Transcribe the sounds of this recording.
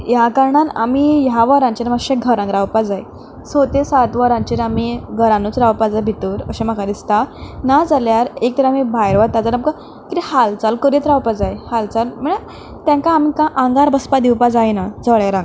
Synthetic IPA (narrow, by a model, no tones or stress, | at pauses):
jakaɾɳana̰mijaʋəɾãɲt͡ɕiɾmaɕeɡʱəɾãŋɡɾawpad͡zaj | sot̪esat̪ʋəɾãɲt͡ɕiɾamiɡʱəɾãnut͡sɾawpad͡zajbʱit̪uːɾəɕemakad̪ist̪anad͡zaljaɾek̚t̪əɾamibʱajɾʋat̪ːad͡zaɾamka | kit̪ihalt͡salkəɾit̪ɾawpad͡zajhalt͡salməɽ̃a | t̪jãŋkaːmikãʔãŋɡaɾbəspad̪iwpad͡zajnad͡zəɭjaɾãŋɡ